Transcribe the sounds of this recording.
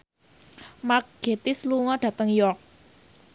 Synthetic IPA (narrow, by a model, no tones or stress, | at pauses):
makɡ̥et̪ɪsluŋɔɖ̥a̤t̪əŋjɔk̚